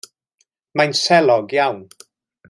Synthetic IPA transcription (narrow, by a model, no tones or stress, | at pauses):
majnsɛlˠɔɡjawn